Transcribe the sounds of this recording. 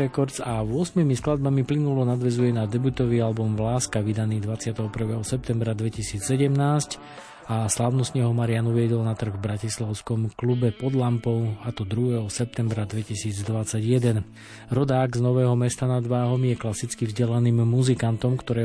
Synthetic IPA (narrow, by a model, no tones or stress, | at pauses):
ɛkɔɾzavʊɔsmimisklad̪̚bamiplinulɔnad̪ʋɛzujɛnad̪ɛbut̪ɔʋialbɔmʋlaːskaʋid̪aniːd̪ʋat͡sɪat̪ɛɦɔpr̩ʋɛːɦɔsɛp̚t̪ɛmbɾad̪ʋɛcisiːt͡sːɛɟɛmnaːsc | aslaʊnɔst̪ɲɛɦɔmaɾɪanuʋɪɛd̪ɔlnat̪r̩ɣvbɾacislaʊskɔmklubɛpɔd̪lampɔʊat̪ɔd̪ɾuɦɛːɦɔsɛp̚t̪ɛmbɾad̪ʋɛcisiːd͡zd̪ʋat͡saɟjɛd̪ɛn | ɾɔd̪aːɡznɔʋɛːɦɔmɛst̪anad̪ʋaːɦɔmjɛklasit͡skivzɟɛlaniːmːuzikant̪ɔmkt̪ɔɾɛː